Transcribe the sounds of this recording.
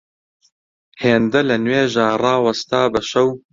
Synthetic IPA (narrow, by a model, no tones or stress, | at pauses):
heːnd̪ɐlɐnweːʒaːrɑːwɐst̪aːbɐʃɐw